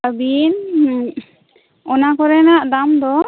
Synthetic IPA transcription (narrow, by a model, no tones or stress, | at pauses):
abin | ɔnakɔɾɛnaʔd̪amd̪ɔ